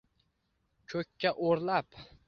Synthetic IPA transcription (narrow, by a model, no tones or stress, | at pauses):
kʲʰɵkʲʰːaʔoɾlap